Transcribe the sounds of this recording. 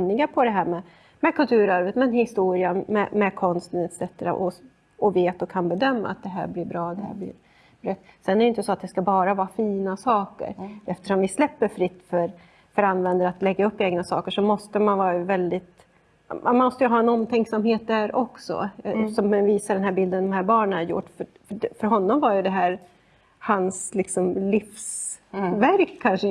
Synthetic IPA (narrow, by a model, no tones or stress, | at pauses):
nːɪɡapʰɔd̪ɛɦæːɾmɛ | mɛkʰɵlt̪ʰʉ̟ːɾœɾvət̪mɛnhɪst̪uːɾɪanmɛmɛkʰɔnst̪nət̪sɾɛt̪ːɾə̰ʔɔ | ɔveːt̪ɔkʰanbɛd̪œmːa̰a̰t̪̚d̪ɛɦæ̰ːɾblɪɾbɾɑːd̪ɛhæ̰ːblɪ̰ɾ | ɾɛt̪ːsɛnːɛɾɛʏɪnt̪ːəsɔat̪̚d̪ɛskabɑːɾavɑːfiːnasɑːkə̰ɾʔɛft̪ə̥ʂɔmvɪslɛpːəɾfɾɪt̪ːfœɾ | fœɾanːvɛnd̪əɾat̪lɛɡːaɵpːeːɡnasɑ̰ːkəʂɔmɔst̪əmanvɑːɾajvɛld̪ɪt̪ | mamnmɔst̪əjɵɦɑːɛnɔmt̪ʰɛŋksamheːt̪̚d̪æɾʔɔksɔ̰sɔmɛnviːsaɖɛnɦæːɾbɪld̪ənd̪ɔmhæːɾbɑːɳənæɾjʊ̰ʈːfœ | fœɖfœɾɦɔnːɔmvaɾjɵd̪ɛɦæːɾ | hanslɪksɔmlɪfsvæɾkʰːanʂə